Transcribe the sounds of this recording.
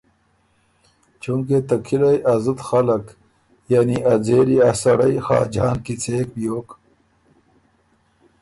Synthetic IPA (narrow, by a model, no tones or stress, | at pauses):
t͡ʃuŋket̪ɐkʰilɐjʔɐzət̪xɐlɐk | janiʔɐd͡zeːɾiɐsɐɽɐjxa̰ːd͡ʑa̰ːnkit͡sʰeːk̚bijoːk